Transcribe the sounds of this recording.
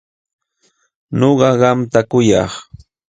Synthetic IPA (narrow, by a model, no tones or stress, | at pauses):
ɲoɢɑɢɑmt̪akʊjɑ̰χ